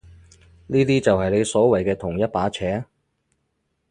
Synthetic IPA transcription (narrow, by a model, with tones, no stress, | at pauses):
niː˥t̪iː˥t͡sɐ˨whɐ˨jle˨˧jsɔː˨˥wɐ˨˩jkɛː˧t̪ʰʊ˨˩ŋjɐ˥t̚paː˨˥t͡sʰɛː˨˥